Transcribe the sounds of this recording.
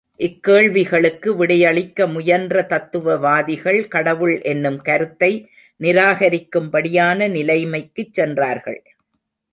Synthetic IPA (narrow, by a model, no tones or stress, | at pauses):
ʔɪkːeːɭʋɪɣɐɭɯkːɯʋɪɽɐjɐɭɪkːɐmʊjɐndrɐt̪ɐt̪ːɯʋɐʋaːðɪɣɐɭkɐɽɐʋɯɭʔɛnːɯmkɐɾɯt̪ːɐɪ | nɪɾaːɣɐɾɪkːɯmpɐɽɪjaːnɐnɪlɐɪmɐɪkːɯt͡ʃːɛndraːɾɣɐ̰ɭ